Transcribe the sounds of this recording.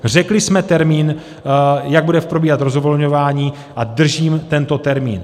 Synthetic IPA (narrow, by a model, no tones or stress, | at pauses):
r̝ɛklɪsmɛt̪ɛɾmiːn | jaɡ̚budɛfpɾobiːɦat̪ɾozovolɲovaːɲiː | ʔad̪r̩ʒiːmt̪ɛnt̪o̞t̪ɛɾmḭːn